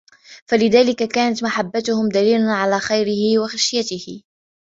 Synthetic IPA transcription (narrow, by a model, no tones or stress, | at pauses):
falɪðaːlɪkakaːnat̪maħabːat̪ʊhʊmd̪aliːlanʕalaːxajɾɪhɪwaxaʃjat̪ɪhɪ